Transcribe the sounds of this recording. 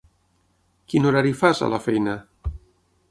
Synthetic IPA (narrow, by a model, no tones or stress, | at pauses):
kinuɾaɾifaza̰lafɛjna